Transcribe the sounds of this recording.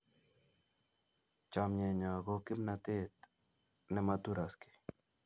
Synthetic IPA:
t͡ʃamɲɛ˨ɲa˨ɡokɪ˦mnat̪e˦t̪ | nɛ˨mat̪u˦ɾaski̥

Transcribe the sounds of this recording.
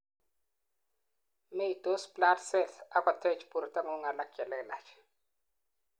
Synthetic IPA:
me˦˨to˦spla˦tsɛ˦˨θa˦ka˨tʰɛ˦t͡ʃpu˨ɾta˦ŋo˦ŋa˨la˦kjɛ˨lɛ˦la̰˨t͡ʃ

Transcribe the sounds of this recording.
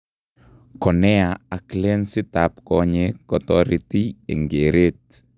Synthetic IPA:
kɔ˨nɛ˦a˨a˨kle˦nsi˦ta˨pkɔ˨ɲe˦kɔ˨t̪ɔɾiti˦ḛ˨ŋɡe˨ɾe˦t̚

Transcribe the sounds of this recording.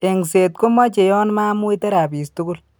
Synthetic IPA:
e˨ŋse˨t̚ko˦mɔ˦t͡ʃe˨jɔ˦nma˦mu˦i˦tɛ˦ɾa˨pi˨stʊ˦kʊ˦l

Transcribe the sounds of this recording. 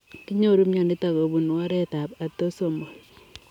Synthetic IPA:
ki˦ɲo˦ɾu˦mɲa˨ni˦ta˨ko˨bu˨nwa˦ɾɛ˦ta˨pa˨to˦so˨mbo˨l

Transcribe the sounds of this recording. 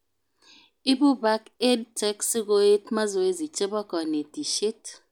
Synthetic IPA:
i˦ɓu˦ba˦ke˦d̚tʰʼɛ˦ksi˦k̬ʼo˦e˦tʰma˦zɔ˨we˦zi˨t͡ʃʼɛ˦ɓɔ˦kɔ˨ne˨d̥i˨ʃe˦tʰ

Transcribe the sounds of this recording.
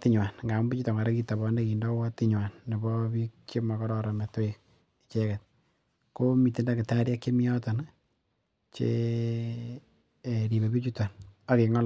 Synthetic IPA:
ti˦ɲwa˨nŋɡa˨m˦mbi˦t͡ʃu˦tɔ˨ŋɡa˨ɾe˦ki˦ta˨βɔ˦nde˦ki˨ndɔ˦wɔ˦ti˦ɲwa˨nːe˨bɔ˦bi˦kt͡ʃe˦ma˨kɔ˦ɾɔ˨ɾɔ˨me˨to˦ik | i˨t͡ʃɛ˦kɛt̚ | ko˦mi˨te˦nda˦kɪ˨ta˦ɾja˦kt͡ʃe˦mi˦jɔ˦tɔ˨n | t͡ʃḛ˨ | ɾi˨βe˨pi˦t͡ʃu˦ta˨na˦ki˨ŋɔ˦l

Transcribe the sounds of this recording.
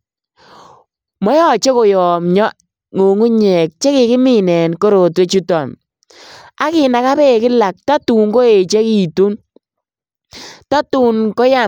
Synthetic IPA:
mɔ˦jɔ˦˨t͡ʃe˦ko˨jɔ˨mɲɔ˦ | ŋo˨ŋu˦ɲɛ˨k̚t͡ʃe˦kɪ˨kɪ˦mɪ˦nɛ˨nko˦ɾo˨twe˦t͡ʃu˦tɔ˨m | a˦kɪ˨na˨ka˦pe˦˨kɪ˦la˨k̚ta˦tu˨ŋko˦e˨t͡ʃe˦ki˨tu˦n | ta˦tu˨nko˦ja˨

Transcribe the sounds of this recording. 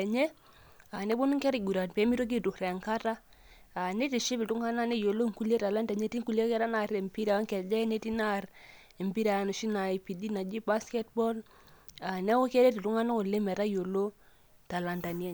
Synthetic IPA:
ɛ˨ɲɛ˦ | a˨ne˦bʊ˦n˦ŋkɛ˦ɾi˨ɡu˨ɾa˨npɛ˨˦mi˦to˦k̬i˦tu˨kɾɛ˨a˨ŋka˦ta˦ | a˨ne˦ti˨ʃi˦pi˨tu˦ŋa˦na˦ne˦jo˨lo˦˨ŋku˦lje˦ta˨la˦nda˨ɲe˦ti˦ŋku˦lje˦kɛ˦ɾa˦na˨ɾɛ˨mpi˦ɾa˨a˦ŋkɛ˨d͡ʒɛ˦ne˦ti˦na˦˨ɾ | ɛ˨mpi˦ɾa˨a˨˦nu˨ʃi˦na˨pi˨di˦na˨d͡ʒi˦ba˦skɛ˦t̚bɔ˦l | a˨nɛ˦wo˦kɛ˦ɾɛ˦ti˨tu˦ŋa˦na˦ko˨le˦mɛ˨ɾa˦jo˨lo˦ | ta˨la˨nda˨n˦e˦

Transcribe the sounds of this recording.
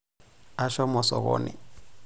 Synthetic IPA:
a˦ʃɔ˦mɔ˨sɔ̰˨ɣɔ̰ː˦˨nɛ̰˨

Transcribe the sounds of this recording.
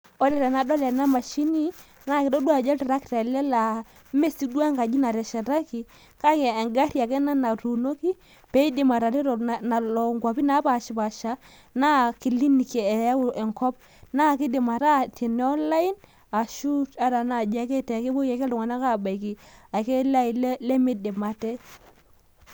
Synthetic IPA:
ɔ˦lɛ˨ɾɛ˨na˨dɔ˦lɛ˨na˦ma˨ʃi˦ni˦ | na˦˨kɪ˨dɔ˦du˦a˦˨d͡ʒɛ˦ti˨ɾa˦kta˨lɛ˦la˨˦ | me˦si˦dwa˦ŋka˨d͡ʒi˦na˨ɾɛ˨ʃɛ˨ɾa˦ki˨ | ka˦kɛ˨ŋɡa˦ɾja˨kɛ˦na˦na˨tu˨no˦ki˦ | pɛ˨˦i˦di˨ma˨ɾa˨ɾi˦ɾɔ˨na˨lɔ˨ŋɡa˨pi˦na˨˦pa˨ʃi˨pa˨ʃa˦ | na˦ki˨li˦ni˨kɛ˨˦ɛ˨ŋkɔ˦p̚ | na˦˨kɪ˦dɪ˨ma˨ta˦˨ti˨nɛ˦ɔ˦la˦ɪ˦n | a˨ʃu˦ta˦ɾa˨na˨d͡ʒa˨˦kɛ˦tɛ˨ke˦bo˦ke˨kɛ˦dŋa˨na˦ka˦˨ba˨i˨ki˨a˨kɛ˦la˦i˨llɛ˦mɪ˨dɪ˨ma˨tɛ˦

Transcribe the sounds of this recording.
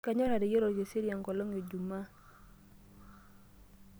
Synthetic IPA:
ka˨ɲɔ˦ɾa˨ɾɪ˨je˦ɾo˨d͡ʒe˨si˦ɾja˨ŋɡɔ˨lɔ˦ŋe˨d͡ʒu˨ma˦

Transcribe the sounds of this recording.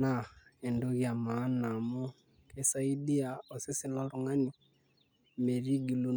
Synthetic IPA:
na˦e˨ndu˦ɣja˨ma˦na˨mu˦ | ke˦sa˦i˦di˦a˨o˨si˦si˦la˦ɾuŋa˦ni˦ | me˨ɾi˦ɡi˨lu˦

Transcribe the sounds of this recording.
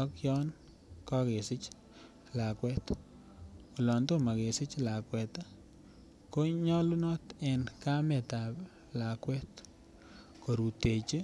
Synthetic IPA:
ɔ˦kjɔ˦n | kɔ˦ɡe˨sɪ˦t͡ʃ | la˨kwɛ˦t̪ | o˨lɔ˨nt̪o˦ma˨ɡe˨sɪ˦t͡ʃla˨kwɛ˨t̪a˦ | ko˦ɲɔ˦lu˦nɔ˦t̪ɛ˨nka˦mɛ˨t̪a˨b | la˨kwɛ˦t̪ | ko˨ɾu˨te˨t͡ʃe˦

